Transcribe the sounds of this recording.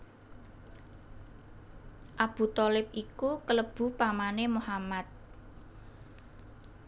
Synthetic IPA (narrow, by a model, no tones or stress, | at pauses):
ʔab̥ṳt̪ɔlɪp̚ʔikukələb̥ṳpamanemohamat̪̚